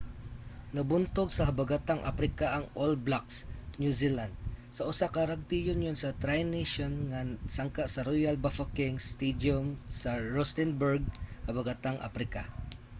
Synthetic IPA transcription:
nɐbʊnt̪oɡsɐɦabaɡat̪aŋʔa̰pɾɪkaʔɐŋolblaksnjusiland̪̚sɐʔʊsakaɾaɡ̚t̪ijʊnjʊnsɐt̪ɾajniʃonŋasaŋkaʔsɐɾojalbafakɪŋst̪id̪omsɐɹɔst̪ɪnbɛɹɡ̚hɐbaɡat̪aŋʔa̰pɾɪka

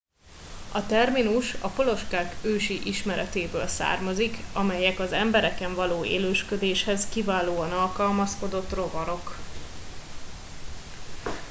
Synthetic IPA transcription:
ɒt̪ɛrminuʃɒpo̞lo̞ʃkaːɡøːʃiʔiʃmɛɾɛt̪eːbøːlsa̰ːrmɒzikɒmɛjɛkɒzɛmbɛɾɛkɛɱvɒloːḛːløːʃkød̪eːʃhɛzkivaːloːɒnɒlkɒlmɒsko̞d̪o̞t̪ːro̞vɒɾo̞k

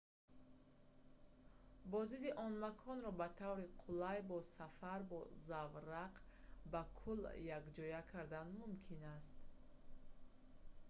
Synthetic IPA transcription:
bɔzid̪iʔɔnmakʰɔnɾɔbat̪ʰavɾiqʰulajbɔsafaɾbɔzavɾaqbakʰuljakd͡ʒɔjakʰaɾd̪anmumkʰinast̪

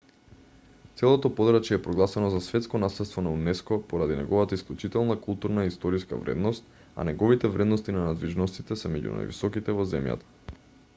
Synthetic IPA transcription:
t̪sɛlˠot̪ɔpɔd̪ɾat͡ʃjɛːpɾɔɡlˠasɛnɔzasvɛt̪skɔnaslɛt̪st̪vɔnaunɛskɔpoɾad̪inɛ̰ɡɔvat̪aisklʲut͡ʃit̪ɛlˠnakulˠt̪uɾnaist̪ɔɾiska̰vɾɛ̰d̪nɔst̪̚ | a̰nɛɡɔvit̪ɛvɾɛd̪nɔst̪inanad̪liʒnɔst̪it̪ɛsɛmɛɟṵna̰jvḭsɔkit̪ɛvɔzɛmja̰t̪ḁ

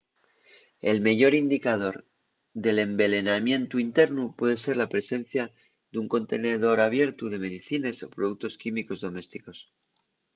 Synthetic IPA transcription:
e̞lme̞ʝo̞ɾind̪ikað̞o̞ɾ | ðe̞le̞mbe̞le̞namje̞nt̪uint̪e̞ɾnupwe̞ðe̞se̞ɾlapɾe̞se̞n̟θja | ðuŋko̞nt̪e̞ne̞ðo̞ɾaβje̞ɾt̪uðe̞me̞ðiθine̞so̞pɾo̞ð̞uk̚t̪o̞skimiko̞zðo̞me̞st̪iko̞s

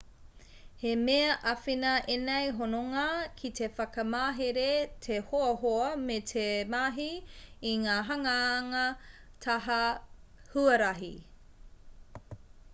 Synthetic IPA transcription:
hemeɐʔɐfinɐʔenejɦonoŋɐkʰitefɐkɐmaːɦeɾetʰehoɐɦoɐmetʰemaɦiːŋaːɦɐŋɐːŋɐ | tʰɐɦɐhuɐɾɐɦḭ

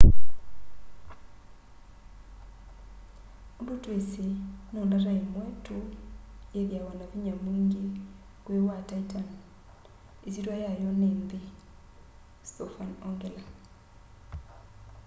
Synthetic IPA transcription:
undotwesenondaɾaimwɛtojeɣjawanaviɲamiŋɡe | kwewataitan | esiɾwajajɔnende | stɔfanɔŋɡɛla

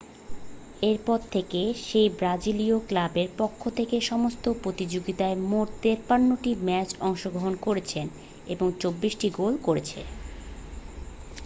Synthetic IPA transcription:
eɾpɔɾt̪ʰekeʃejbɾad͡ʑilioklabeɾpokʰːot̪ʰekeʃɔmost̪opɾot̪id͡ʑoɡit̪aemoʈt̪eɾpanːoʈimɛt͡ɕɔŋʃoɡɾoɦonkoɾet͡ɕʰen | eboŋt͡ɕobːiʃʈiɡolkoɾet͡ɕʰḛ

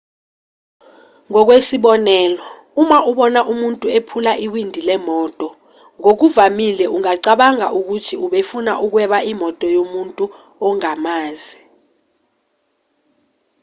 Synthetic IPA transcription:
ŋɔk̬wesiɓɔnɛːlɔ | umaʔuɓɔnaʔumuntʼuepʰulaʔiwindʱilɛmɔːtʼɔ | ŋok̬uvamilɛʔuŋaǀaɓaŋa̰ʔuk̬utʰiuɓefunaʔuk̬wɛɓaʔimɔtʼɔjomuntʼu | ɔŋamaːzi

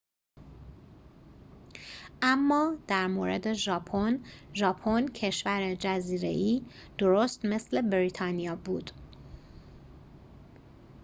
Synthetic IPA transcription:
ʔæmːɒːd̪̥æɾmo̰ɾḛd̪eʒɒːpʰonʒɒːpʰoncʰe̞ʃvæɾed͡ʒæziːɾe̞̰ʔiː | d̪̥o̞ɾost̪me̞sle̞bɾit̪ʰɒːnijɒːbuːd̪̥

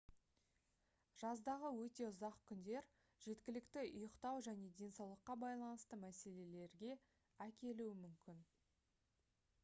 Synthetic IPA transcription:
ʒ̥ɑzd̪ɑʁəwɵt̪e̞ʊzɑqkʲʰʏnd̪e̞ɾ | ʒ̥e̞t̪kʲɪlɪkt̪ɪʔʊjəqt̪ɑwʒæne̞d̪e̞nsɑwlˠəqːɑbɑjlˠɑnəst̪əmæse̞le̞le̞ɾɡʲe̞ | ækʲe̞luɪmʏmkʲɪn

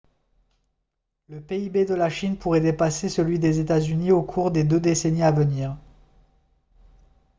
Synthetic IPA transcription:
ləpeibed̪əlaʃinpuʁɛd̪epasesəlɥid̪ezet̪azyniokʰuʁd̪ed̪ød̪eseniavəniːʁ

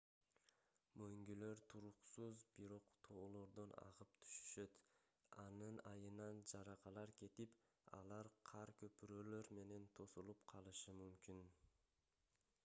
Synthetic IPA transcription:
møŋɡylø̞ɾt̪ʰuɾuqsuzbiɾo̞qt̪ʰo̞ːlˠo̞ɾd̪onɑ̰ʁɯp̚t̪ʰy̥ʃy̥ʃø̞t̪ | ɑnɯnɑjɯnɑnd͡ʒɑɾɑqɑlˠɑɾkʲʰe̞t̪ip | ɑ̰lˠɑɾqʰɑɾkʰøpyɾøːlø̞ɾme̞ne̞nt̪ʰo̞sulˠupqʰɑlˠɯʃɯmymkʲin

